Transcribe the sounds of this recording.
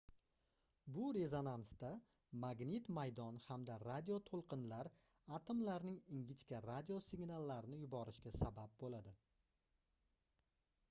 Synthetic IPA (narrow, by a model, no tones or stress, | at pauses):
bʊɾe̞zo̞nansd̪a | maɡnɪt̪majd̪ɒnhamd̪aɾad̪ʲijo̞t̪ʰolˠqɨnlaɾ | at̪ʰɪmlaɾnɪŋɪŋɡʲɪt͡ʃkʲaɾad̪ʲiosɪɡnalˠːaɾɪnɪjʊbɒɾɪʃkʲasabap̚bolad̪ɪ